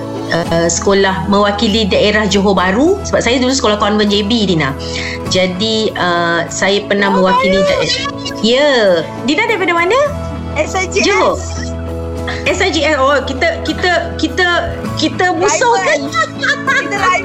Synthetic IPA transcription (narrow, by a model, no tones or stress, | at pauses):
əsə̥kolahmə̃wakilidaʔeɾahd͡ʒoɦobaɾusəbap̚sajadulusəkolahkɔnvənd͡ʒebidinã | d͡ʒadiəsajapərnahmə̃wakilidaʔ | jə | dinãdajpadamanə̃ | d͡ʒoɦo | ɛsad͡ʒiɛsɔkit̪əkit̪əkit̪ə | kit̪əmũsowka | aa